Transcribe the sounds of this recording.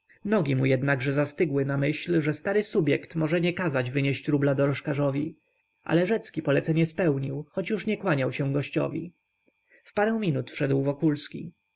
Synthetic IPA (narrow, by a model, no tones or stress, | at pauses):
nɔɡʲimujɛd̪naɡʐɛzast̪ɘɡwɘnamɘɕlʐɛst̪aɾɘsubʲjɛkt̪mɔʐɛɲɛkazad͡ʑvɘɲeɕt͡ɕɾublad̪ɔɾɔʂkaʐɔvʲi | ʔa̰lɛʐɛt̪skʲipɔlɛt̪sɛɲɛspɛwɲiwxɔt͡ɕjuʂɲɛkwaɲawɕɛw̃ɡɔɕt͡ɕɔ̰vʲḭ | fpaɾɛw̃mʲinut̪fʂɛd̪wvɔkulskʲḭ